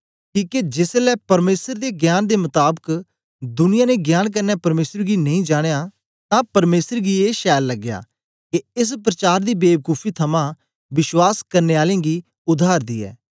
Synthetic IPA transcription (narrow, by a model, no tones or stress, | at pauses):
kiːked͡ʒɪslɛːpɐɾmeːsəɾd̪eːɡjaːnd̪eːmʊt̪aːbək | d̪ʊnɪjãːneɡjaːnk̬əɾnɛːpɐɾmeːsəɾɡiːnɐĩːd͡ʒaːɽ̃ejaː | t̪ãːpɐɾmeːsəɾɡiːeːʃɛːlːəɡja̰ː | keɪs̬pɾət͡ʃaːɾd̪iːbeːbkuːpʰiːt̪ʰɐmãː | ʋɪʃwaːskɐɾneːaːlẽːɡiː | ʊd̪ʱaːɾd̪iːɛ̰ː